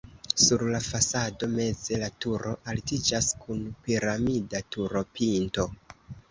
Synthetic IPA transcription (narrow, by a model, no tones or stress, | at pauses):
suɾlafasado̞me̞ze̞latuɾo̞ʔaltid͡ʒaskʰunpiɾamidatuɾo̞pʰinto̞